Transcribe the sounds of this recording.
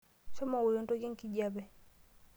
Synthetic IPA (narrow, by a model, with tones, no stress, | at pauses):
sɔ˦ma˨wo˨jo˨˦nto˦ɡi˦ŋki˦d͡ʒa˦bɛ˨